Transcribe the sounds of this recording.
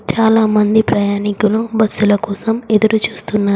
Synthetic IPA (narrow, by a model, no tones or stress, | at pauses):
t͡ʃaːlaːmɐnd̪ipɾɐjaːnikulubɐsːulɐkɔːsɐmed̪ɐɾut͡ʃuːst̪unːaː